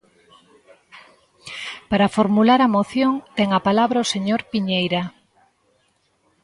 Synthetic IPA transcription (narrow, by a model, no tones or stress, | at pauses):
paɾafoɾmulaɾɐmoθjoŋt̪ɛŋapalaβɾaoseɲoɾpiɲejɾa